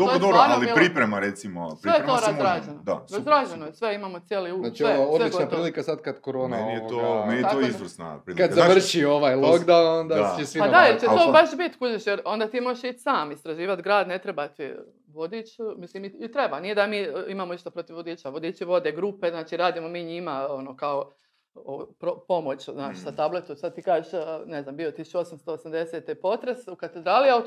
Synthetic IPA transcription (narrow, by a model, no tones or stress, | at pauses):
d̪ood̪oɾaɾalˠipɾipɾemaɾet̪simo̰psɾʋejet̪oːɾaɾaːd͡ʒenod̪a̰sɾazɾaːd͡ʒenojsʋeimamot̪sjeliunaːt͡ʃioaolit͡ʃnapɾiːlikasad̪kad̪koɾoːnanit̪omenij̪t̪oizʋr̩sna̰pɾiːlkad̪zamʋr̩ʃio̞ʋajlˠokd̪awnond̪at͡ʃesipadd̪ajeɾt͡ʃeoːbaʃbit̪kuʒeʃjeɾo̞nd̪at̪iːmoʃit͡ʃsaːmist̪ɾaʒiːʋat̪ɡɾaːd̪net̪ɾebat̪i | ʋod̪it͡ʃumisliːmiit̪ɾebanije̞d̪amiːimaːmoiʃt̪apɾot̪iʋʋod̪iːt͡ʃaʋod̪iːt͡ʃiʋo̞d̪eɡɾupe̞znaːt͡ʃiːɾaːd̪iːmomiːɲimao̞nokao | opɾopo̞mot͡ʃznaːt͡ʃisat̪ablet̪usad̪̚t̪iːkaːʒeʃne̞znambio̞t̪isu̥t͡ʃuo̞samst̪o̞osamd̪eset̪epo̞t̪ɾesukat̪ed̪ɾaːlia